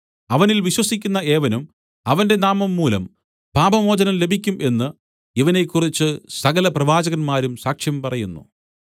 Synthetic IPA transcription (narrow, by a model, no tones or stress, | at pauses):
ɐʋɐnilʋiɕwɐsikʲːunːɐe̞ːʋɐnum | ɐʋɐnde̞naːmɐmːuːlɐ̰m | paːbɐmo̞ːd͡ʑɐnɐmle̞bʱikʲːumʔe̞nːɨ | iʋɐne̞kːurit͡ɕːɨsɐɣɐlɐprɐʋaːd͡ʑɐɣɐnmaːɾumsaːkʂjɐmpɐrɐjunːṵ